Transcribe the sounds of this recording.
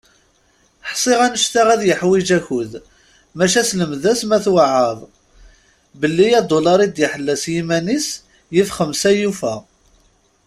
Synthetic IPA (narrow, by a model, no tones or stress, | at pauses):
ħsˤɪʁænəʃt̪aʁæðjəħwid͡ʒæçʊð | mæʃæsləmðæsmæθwaʕəðˤ | bəlːijæd̪olɑɾˤid̪jəħəlːæsjimænis | jifχəmsæjufæ